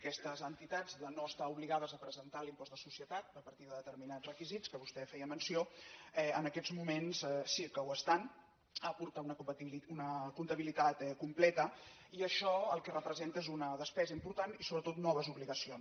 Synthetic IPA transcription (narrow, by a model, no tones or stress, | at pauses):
kɛst̪əzənt̪it̪ad͡zðənoəst̪auβliɣaðəzəpɾəzənt̪alimpɔzðəsusjət̪at̪̚əpəɾt̪iðəðət̪əɾminad͡zrəkizit͡skəβust̪ɛfɛjəmənsioɛənəkɛd͡zmumensɛsikəwəst̪an | əpuɾt̪əunəkut̪iliunəkunt̪əβilit̪at̪ɛkumplɛt̪ə | iəʃɔəlˠkɛrəpɾəzent̪əezunəðəspɛzəimpuɾt̪anisoβɾət̪ot̪nɔβ̞əzuβliɣəsion